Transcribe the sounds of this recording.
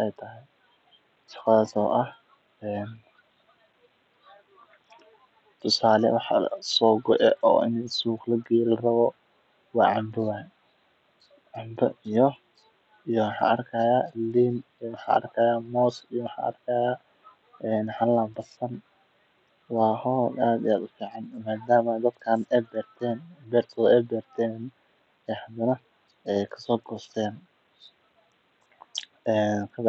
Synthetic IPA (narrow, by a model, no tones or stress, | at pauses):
ɛjt̪ʰɐɦɛj | ʃɑ̥qɑðaːsɔ̰ːʔɐh | ɛːn | t̪ʰʊsaːlɛ̰wɑħsɔːɡɔʔɛʔɔ̰ːʔɪ̰nsuːqlɐɡiːlrɐβɔ | wɑːʕɑmd̪ɪwaː | ʕʊnd̪ɐʔijɔ | ijɔwɑħɑ̰ːʔɐrkʰajaːliːmijwɑħɑ̰ːʔɐ̰rkʰɐjaːmɔːsijɔwɑħɑ̰ːʔɐ̰rkʰɐjaː | ʔɛːnhɐlaːmbɐsɐn | wɑːhɔːlaːd̪ɪ̰aːd̪ʊfiːʕɑd̪maːd̪aːmɐd̪ɐd̪kʰaːnɛjbɛːrt̪ʰɛːnbɛːrt̪ʰɔʔɛːbɛːrt̪ʰɛːn | ɛːhɐd̪ɐnɐ | ɛjkʰɐ̥sɔːɡɔːst̪ʰɛːn | ʔɛːnkʰɐ